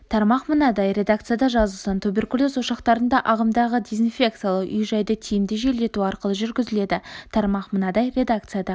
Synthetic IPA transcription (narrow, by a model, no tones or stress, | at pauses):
t̪ʰɑɾmɑqmənɑd̪ɑjɾʲe̞d̪ak̚t̪sɨjad̪ɑʒɑzəlˠsɑnt̪ʰube̞rkulʲˠozwoʃɑqt̪ɑɾənd̪ɑʔɑʁəmd̪ɑʁəd̪ezinfʲe̞k̚t̪sɨjalˠəqʏ̰jʒɑjd̪ət̪ʰijɪmd̪ɪʒe̞le̞t̪uɑɾqəlˠəʒʏɾɡʲɪzɪle̞d̪ɪt̪ʰɑɾmɑqmənɑd̪ɑjɾe̞d̪akt̪sɨjad̪ɑ